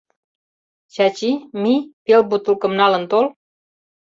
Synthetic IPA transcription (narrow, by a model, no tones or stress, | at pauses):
t͡ɕɑt͡ɕimipelbut̪ulkə̆mnɑlənt̪ol